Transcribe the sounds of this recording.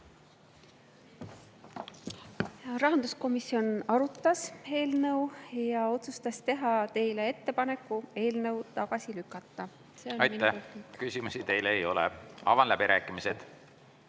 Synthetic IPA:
jɾɑɦɑnd̪̥usko̞misːio̞nɑɾut̪ːˑɑse̞ːlnɤwjɑo̞t̪sust̪ɑst̪e̞ɦɑt̪e̞jle̞e̞t̪ːe̞pɑne̞kːue̞ːlnɤ̞wt̪ɑɡ̥ɑsilykːˑɑt̪ːɑ | seɑjt̪ːæhkysimusit̪e̞jleːjo̞̰lɛ̰ɑ̰vɑnlæb̥iɾʔæːkːˑimised̪̥

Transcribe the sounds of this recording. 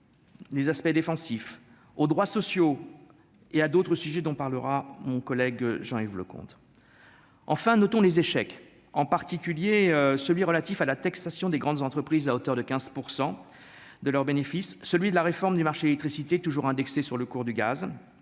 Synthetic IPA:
lezaspɛd̪efɑ̃sif | od̪ʁwasɔsjo | ead̪ot̪χəsyʒɛd̪ɔ̃paʁləʁamɔ̃kɔlɛɡʒɑ̃ivlə̰kɔ̰̃t̪ | ɑ̃fɛ̃nɔt̪ɔ̃lezeʃɛk | ɑ̃paʁt̪ikʲyljeøsəlɥiʁəlat̪ifalat̪aksasjɔ̃d̪eɡʁɑ̃d̪zɑ̃t̪χəpχizaot̪œʁd̪əkʲɛ̃z̥puʁsɑ̃ | d̪əlœʁbenefisːəlɥid̪əlaʁefɔʁmd̪ymaʁʃelɛk̚t̪χisit̪et̪uʒuʁɛ̃d̪ɛksesyʁləkuʁd̪yɡa̰z

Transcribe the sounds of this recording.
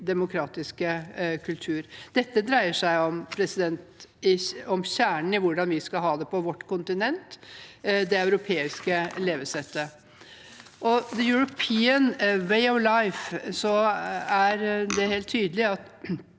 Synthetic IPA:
d̪ɛmʊkʰɾɑːt̪ɪskəkʰʉlt̪ʰʉːɾd̪ɛt̪ːəd̪ɾæɪəʂæɪɔmpʰɾɛsɪd̪ɛnt̪ɪɔmɕæːɳɳ̩ɪʋʊɖɑnʋɪskɑɦɑːd̪ɛpɔʋɔʈːkʰʊnt̪ɪnɛnt̪ | d̪ɛɑʉɾʊpʰeːɪskəleːʋəsɛt̪ːə | ʔɔðəjʊɹʊpʰiːənweɪɔʋlaɪfsɔæɾd̪ɛheːlt̪ʰːyːd̪əlɪɑt̪

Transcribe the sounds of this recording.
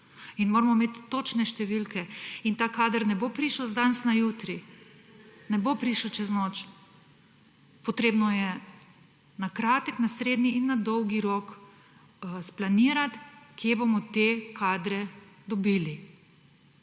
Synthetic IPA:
inmoːɾmɔmeːt̪ːot͡ʃnɛʃt̪ɛʋilkɛint̪aːkaːd̪əɾnɛbopɾiːʃəwzd̪ansnajuːt̪ɾi | nɛbopɾiʃɔt͡ʃɛznot͡ʃ | pɔt̪ɾeːbnɔjɛ | nakɾaːt̪əknasɾeːd̪niinːad̪ɔwɡiɾok | splaniːɾat̪kjebomɔt̪ekʰaːd̪ɾɛd̪ɔbiːli

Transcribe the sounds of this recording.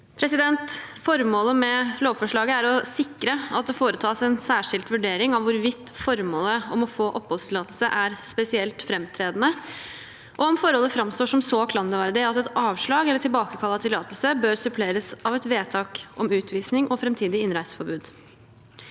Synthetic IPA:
pʰɾɛsɪd̪ɛnt̪fɔɾmoːləmɛloːʋfɔʂɭɑːɡəæɾɔsɪkːɾəɑt̪̚d̪ɛfoːɾət̪ʰɑːsɛnsæːʂɪlt̪ʋʉɖeːɾɪŋɑʋʊɾʋɪt̪ːfɔɾmoːləɔmɔfoːʔɔpːhɔlst̪ʰɪlɑːt̪lsəʔæɾspɛsɪɛlt̪fɾɛmt̪ʰɾeːd̪nə | ʔɔɔmfɔɾhɔlːəfɾɑmst̪oːʂɔmsɔkʰlɑnd̪əʋæɾd̪ɪɑt̪ɛt̪ɑːʋʂɭɑːɡɛlːəʈʰɪlbɑːkəkʰɑlːɑt̪ʰɪlːɑːt̪əlsəbøːɾsʉpʰleːɾəsɑʋɛt̪ʋeːt̪ʰɑːkʔɔmʉːt̪ʰʋiːsnɪŋɔfɾɛmt̪ʰiːd̪ɪɪnɾæɪsfɔɾbʉːd̪

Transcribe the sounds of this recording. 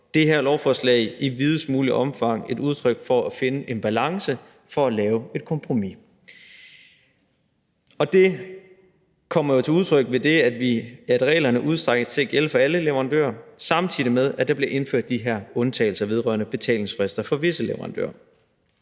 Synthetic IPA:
d̥e̝ɦæɐlɒʊfɒslɛ̰ɪiʋið̞ˠsmuːliʔɒ̽mfɑ̈ŋ̰e̝duð̞ˠt͡sʰʁœɡ̥fɒ̽æfe̝nəʔe̝nb̥ælɑ̈ŋsə | fɒ̽ælɛːʊe̝d̥kʰɒ̽mpʰʁomi | ɒ̽d̥e̝ | kʰɒ̽m̰ɐjo̝t͡sʰe̝uðˠt͡sʰʁœɡ̥̚ʋe̝d̥e̝æd̥ʋiæd̥ʁɛ̰ːlɐnəʔuð̞ˠsd̥ʁaɡ̥ət͡sʰe̝ɐɡ̥el̰fɒ̽æləleʋɐʁɑ̈nd̥ø̰ːɐsɑ̈mt͡sʰið̰ˠimeð̞ˠæd̥ɑ̈b̥le̝ʔe̝nføɐ̰d̥ːiɦæɐɔ̽nt͡sʰɛ̰ːɪl̩sɐʋe̝ð̞ˠʁɶ̰ɐnəb̥e̝t͡sʰɛ̰ːle̝ŋsfʁesd̥ɐfɒ̽ʋe̝səleʋɐʁɑ̈nd̥ø̰ːɐ

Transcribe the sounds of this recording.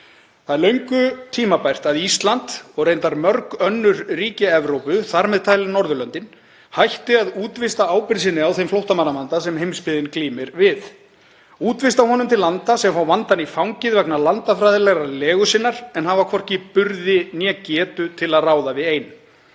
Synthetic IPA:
θaðɾlœɥŋkʏt̪ʰiːmapajr̥t̪aðist̪lant̪ɔɣrejnt̪aɾmœɾkœnːʏɾriːcɪɛvɾowpʏθaɾmɛðt̪ʰaːjlɪnɔɾðʏlœnt̪ɪn | hajht̪ɪaðuːt̪vɪst̪aaːwpɪɾsɪnːɪawθejmflowht̪amanːamant̪asɛmɦejmspɪðɪnkliːmɪɾvɪθ | uːt̪vɪst̪awɦɔnʏmt̪ʰɪlːant̪asɛmfawvant̪anifawŋcɪðvɛknalant̪afɾajðɪlɛɣɾalɛːɣʏsɪnːaɾ̥ɛnhavakʰvɔr̥cɪpʏɾðɪnjɛcɛːt̪ʏt̪ʰɪlaðraːwðavɪðeːjn

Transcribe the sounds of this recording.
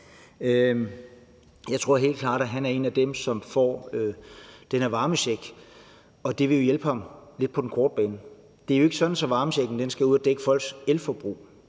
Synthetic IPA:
ø | jɑɪt͡sʰʁo̝ɐ̰ɦe̝̰ːl̥kʰlɑ̈ːɾ̥æɦænæɐe̝̰ːnæd̥emsɒ̽mfɒ̰ːød̥enæɐʋɑ̈ːməsɕeɡ̥ | ɒ̽d̥e̝ʋe̝jo̝jelb̥əhɑ̈mle̝d̥̚pʰɒ̽denkʰɒːd̥̚b̥ɛːnə | d̥e̝æɐjoe̝ɡ̥əsɒ̽d̥n̩sɒ̽ʋɑ̈ːməɕeɡ̥n̩d̥ensɡ̥æuð̰ˠɒd̥eɡ̥əfɒ̽l̰ɡ̥selfɒb̥ʁṵː

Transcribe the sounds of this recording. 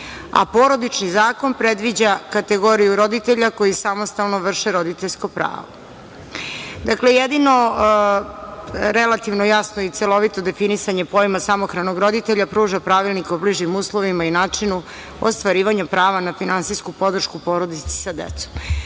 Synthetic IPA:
a̰po̞ɾo̞d̪it͡ʃnizaːko̞npɾed̪ʋid͡ʑakat̪eɡo̞ɾijuɾo̞d̪it̪eʎako̞jisamost̪alˠnoʋr̩ʃeɾo̞d̪it̪eʎʲsko̞pɾa̰ːʋo̰ | d̪aklejed̪ino̞ | ɾelat̪iʋnojasnoit̪selo̞ʋit̪o̞d̪efinisaɲe̞po̞jmasamo̞xɾanoɡɾo̞d̪it̪eʎapɾuːʒapɾaʋilˠnikaubliʒɲimuːslˠoʋimainaːt͡ʂinu | o̰st̪ʋaɾiːʋaɲapɾaːʋanafinansiskupo̞d̪r̩ʃkupo̞ɾo̞d̪it̪se̥sad̪ḛt̪so̥m

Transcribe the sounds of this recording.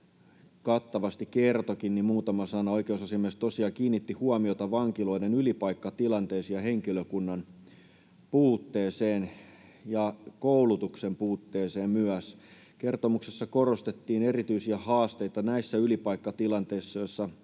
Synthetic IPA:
kɑt̪ːɑʋɑst̪ikkert̪okinnimmuːt̪ɑmɑsɑnɑoikeusɑsiɑmest̪osiɑkiːnːit̪ːihuɑmiot̪ɑʋɑŋkilo̞idenylipɑikːɑt̪ilɑnt̪eːsiɑɦeŋkiløkunːɑn | puːt̪ːeːseːn | jɑkoulut̪uksempuːt̪ːeːseːmmyæs | ke̞rt̪omuksesːɑkorost̪et̪ːiːne̞rit̪yisiæhɑːst̪eit̪ɑnæisːæylipɑikːɑt̪ilɑnt̪eisːɑjosːɑ

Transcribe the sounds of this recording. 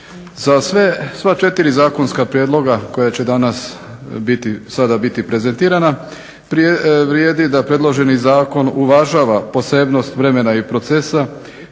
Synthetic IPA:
zasʋesʋat͡ʃe̞t̪iɾizaːko̞nskapɾjeːd̪lˠo̞ɡako̞jat͡ɕe̞d̪anas | bit̪isad̪abit̪ipɾe̞ze̞nt̪iːɾana | pɾʋɾjeːd̪id̪apɾe̞d̪lˠo̞ʒe̞nizaːko̞nuʋaʒaːʋapo̞se̞bno̞st̪ʋɾe̞me̞naipɾo̞t̪sesa

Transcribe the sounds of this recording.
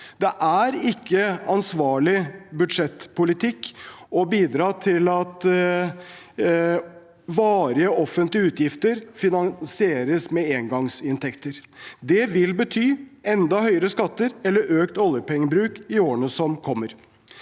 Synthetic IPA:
d̪ɛʔæɾɪkːəɑnsʋɑːɭɪbʉd̪ʂɛt̪ːpʰʊlɪt̪ʰɪkːɔbiːd̪ɾɑːt̪ʰɪlɑt̪ | ʋɑːɾɪəɔfːənt̪lɪəʉːt̪jɪft̪əɾfɪnɑnsɪeːɾəsmɛeːŋɡɑŋsɪnt̪ʰɛkt̪əɾd̪ɛʋɪlbət̪ʰyːɛnd̪ɑhœʏəɾəskɑt̪ːəɾɛlːəɾʔøːkt̪ɔljəɾpʰɛŋːəbɾʉːkɪoːɾəɳəsɔmkʰɔmːəɾ

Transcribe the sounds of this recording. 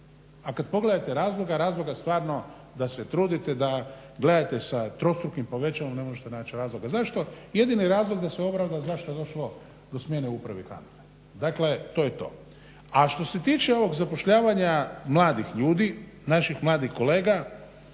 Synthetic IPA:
akad̪po̞ɡle̞d̪at̪eɾaːzlˠoɡaɾaːzlˠoɡast̪ʋaːɾno̞ | d̪aset̪ɾuːd̪it̪ed̪a | ɡle̞d̪at̪e̞sat̪ɾo̞st̪ɾukimpo̞ʋe̞t͡ʃaʋomne̞moʒet̪enaːt͡ʃiɾaːzlˠo̞ɡazaʃt̪o̞je̞d̪iniɾaːzlˠoɡd̪aseo̞bɾaʋd̪azaʃt̪ojed̪o̞ʃlo̞ | d̪osmjeneupɾaʋika̰nt̪e | d̪akle̞t̪o̞ːjet̪o̞̰ | aʃt̪o̞se̞t̪iːt͡ʃeo̞ʋo̞ɡzapo̞ʃʎaːʋaɲamlˠaːd̪ixʎuːd̪inaʃixmlˠaːd̪ixko̞leːɡa

